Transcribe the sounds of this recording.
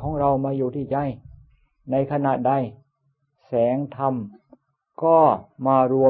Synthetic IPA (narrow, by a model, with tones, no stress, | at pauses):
kʰɔː˩˦ŋɾa˧wmaː˧juː˨˩t̪ʰiː˥˩t͡ɕa˧j | na˧jkʰa˧naː˨˩t̪̚da˧j | sɛː˩˦ŋt̪ʰa˧m | kɔː˥˩maː˧ɾu˧ə